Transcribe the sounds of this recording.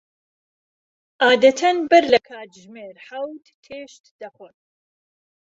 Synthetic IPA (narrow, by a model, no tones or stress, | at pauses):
ʔaːd̪ɐt̪ʰɐnbɨɾlɐkʰaːt̪ʒmeːɾħɐwt̪tʰeːʃt̪d̪ɐxon